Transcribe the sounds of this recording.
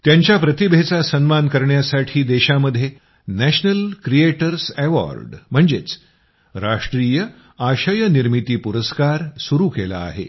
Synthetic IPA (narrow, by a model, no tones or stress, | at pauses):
t̪jaɲt͡ɕjapɾət̪ibʱet͡sasənmankəɾɳjasaʈʰiːd̪eɕaməd̪ʱːje | næɕnəlkɾijeʈəɾsɛʋa̰ɾɖm̤əɳd͡zet͡s | ɾaʂʈɾiːjə | aɕəjəniɾmit̪iːpuɾəskaɾsuɾuːkela̰ːɦḛ